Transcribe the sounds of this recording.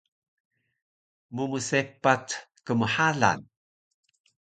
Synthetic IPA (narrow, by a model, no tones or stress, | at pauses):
mumusepatkəməħaɮa̰n